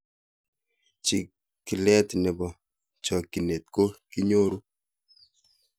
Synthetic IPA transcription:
t͡ʃi˨ | ki˨lɛ˦tnɛ˨bɔ˨ | t͡ʃɔ˨ki˨ne˨t̚ko˦ki˦ɲo˦ɾu˦

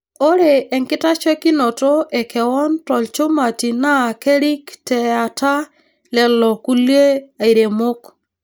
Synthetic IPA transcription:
o˦ɾe˨ɛ˨ŋkɪ˦ta˦t͡ʃwɛ˦kɪ˦no˨to˦ʔɛ˨kʰɛ˨wɔ˦ntɔ˨lt͡ʃo˦ma˨ti˨na˦˨kɛ˦ɾi˦ktɛ˨a˨ta˦ | lɛ˨lɔ˨ku˦lje˦a˨i˨ɾe˨mo˦k

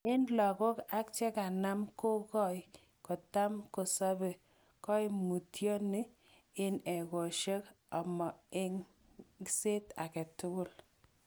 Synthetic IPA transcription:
ɪ˦nlɔ˨kɔ˦ka˦k̚t͡ʃɛ˦ka˨na˦mko˦kɔ˦j | ko˨ta˦mko˨sɔ˦be˨ | kɔ˦i˦mu˨tjɔ˦ni˦ | ɪ˦nɛ˨ko˨ʃe˦k | ɔ˨mɔ˨ɪ˦ŋ | se˦ta̰˨kɛ˨tʊ˦ɡʊ˦l

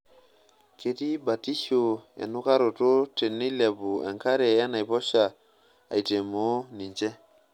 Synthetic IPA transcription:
ke˨ti˦ba˨ti˦so˨ɛ̰˨nu˦ka˦ɾo˨to˦te˨nːi˦lɛ˨bu˨ɛ̰˨ŋka˦ɾe˨ja˦na˨jpɔ˦ʃa˨ | a̰˨i˨te˨mo˨˦ni˨ɲt͡ʃɛ˦

